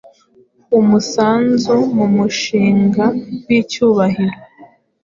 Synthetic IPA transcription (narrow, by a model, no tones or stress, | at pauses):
umusaːnzumumuʃiːŋɡawicuːβahiɾo